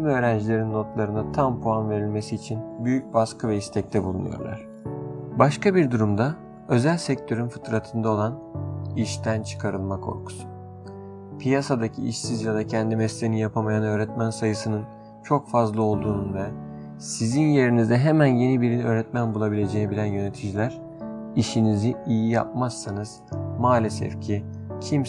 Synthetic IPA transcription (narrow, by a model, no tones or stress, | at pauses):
imø̞ːɾænd͡ʒilʲe̞ɾinːo̞t̪lˠaɾɯnat̪ʰampʰoanve̞ɾilʲme̞siːt͡ʃʰinbyjyc̚baskʰɯvɛist̪ʰɛc̚t̪ʰɛbulˠṵnṵjo̰ɾlˠa̰ɾ̝̥ | baʃkabiɾd̪uɾumd̪a | ø̞zælʲsɛc̚t̪ʰø̞ɾynfɯ̥t̪ɾat̪ʰɯnd̪ao̞lˠaniʃt̪ʰænt͡ʃʰɯ̥kʰaɾɯlˠmakʰo̞̰ɾkʰu̥su̥ | pʰijasad̪acʰḭḭʃsizjad̪acʰɛnd̪imɛslʲenijapʰamajanø̞ːɾɛt̪mænsajɯsɯnɯn | t͡ʃʰo̞kfazlˠɯo̞lˠd̪uːnunvɛ | sizinje̞ɾinizd̪ɛɦemænje̞nibiɾinø̞ːɾɛt̪mænbulˠabilʲe̞d͡ʒeːnibilʲænjø̞ne̞t̪ʰid͡ʒilʲæɾ̥ | iʃiniziijija̰p̚masːanɯz̥maːlʲesɛ̰fcʰicʰim